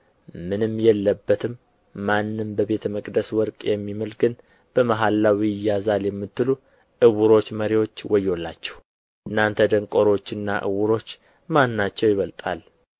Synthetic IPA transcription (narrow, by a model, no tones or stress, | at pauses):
mɨnɨmːjɛlːəbːət̪ʰɨmː | anːɨmbəβe̞t̪ʰəməkʼd̪əswɔɾkʼjɛmːiməlɡɨn | b̥əmaɦalːawijɪjazaljɛmːɨt̪ːɨlu | ʔɨwuɾo̞t͡ʃːməɾiwot͡ʃːwɔjo̞lːa̰t͡ʃːɛ̥h | ʔɨnːant̪ʰəd̪əŋkʼo̞ɾo̞t͡ʃːɨnːa̰ʔɨ̰wʊɾo̞t͡ʃː | manːat͡ʃːɛwjɪβəlt̪ʼa̰l